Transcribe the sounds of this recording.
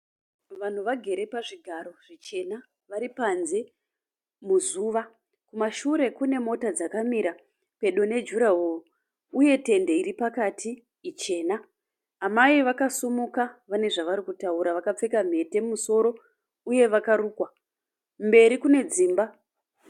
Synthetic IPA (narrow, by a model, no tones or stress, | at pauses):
ʋan̤uʋaɡʱe̞ɾe̞paʐiɡʱaɾo̞ʐ̥it͡ʃe̞na | ʋaɾipanze̞ | muzuːʋa | kumaʃuɾe̞kune̞mo̞tad͡zakamiɾa | pe̞ɗo̞ne̞d͡ʒuɾaɦoo | uje̞te̞ndeiɾipakatʰiː | t͡ʃe̞ːnaː | maiʋakasumukaʋane̞ʐaʋaɾikutauɾaʋakap͡fe̞kam̤e̞te̞muso̞ɾo̞ | uje̞ʋakaɾuːkwa | mbe̞ɾikune̞d͡ziːmba